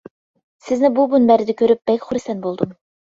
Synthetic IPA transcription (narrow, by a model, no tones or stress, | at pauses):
sɪznɪbubunbæɾɪd̪ɪkʲʰøɾyp̚b̥ɛkʲχʊɾɪsɛnbolˠd̪um